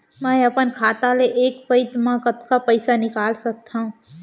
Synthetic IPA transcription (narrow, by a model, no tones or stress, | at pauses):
mɛ̃ɐpənkʰaːt̪aleʔeːkpəɪt̪mãkɐt̪kapɐɪsanɪkaːlsɐk̚t̪aɦũː